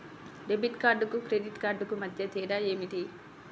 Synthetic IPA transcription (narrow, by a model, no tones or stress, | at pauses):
ɖebiʈkaːɾɖukukɾeɖiʈkaːɾɖukumɐd̪ʱjɐt̪iːɖaeːmiʈi